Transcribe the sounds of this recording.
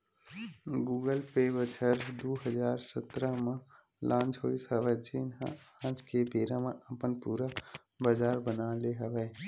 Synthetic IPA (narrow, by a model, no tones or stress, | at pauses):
ɡuːɡəlpeːbət͡ʃʰəɾd̪uːɦəd͡ʒaːɾsət̪ɾamã | lʔãːnt͡ʃɦoːisəʋɛd͡ʒɪnɦã̰ãːt͡ʃkebʱeːɾãmãʔəpənpuːɾa | bəd͡ʒaːɾbənaːleɦəʋɛː